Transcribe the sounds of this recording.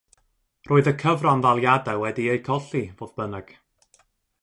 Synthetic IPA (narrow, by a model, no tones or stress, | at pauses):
rʔoːɨðəkʰəvranvalˠjadɛwɛdiejkʰɔɬivoːðbənɛɡ̥